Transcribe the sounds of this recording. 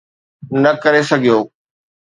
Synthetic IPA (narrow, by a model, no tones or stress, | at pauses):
nɐkɐɾesɐɡʱijoː